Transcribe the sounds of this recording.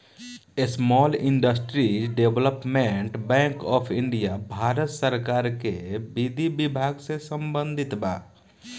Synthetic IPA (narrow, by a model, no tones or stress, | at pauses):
esmɔːlɪ̃ɳɖəsʈɾiɖeʋləpmẽɳʈbɛ̃ːŋkɔːpʰɪ̃ɳɖijabʱaːɾət̪səɾkaːɾkebid̪ʱibɪbʱaːɡsesə̃mbə̃nd̪ʱɪt̪baː